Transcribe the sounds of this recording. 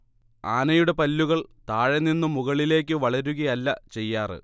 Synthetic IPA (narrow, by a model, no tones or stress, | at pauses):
aːnɐjuɽe̞pɐlːuɣɐɭt̪aːɻɐnːinːumuɣɐɭile̞ːk̬ʲːɨʋɐɭɐɾuɣɐjɐlːɐt͡ɕe̞jːaːrɨ̰